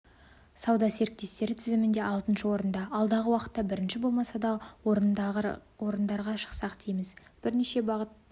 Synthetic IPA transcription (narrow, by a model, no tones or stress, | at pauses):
sɑwd̪ɑse̞ɾɪk̚t̪e̞st̪e̞ɾɪt̪ʰɪzɪmɪnd̪e̞ʔɑlˠt̪ənʃəwo̞ɾənd̪ɑɑlˠd̪ɑʁəwɑqə̥t̪ːɑbɪɾɪnʃɪbo̞lˠmɑsɑd̪ɑ | wo̞ɾənd̪ɑɾʁɑʃə̥qsɑqt̪ʰijmɪzb̥ɪɾneʃe̞bɑʁət̪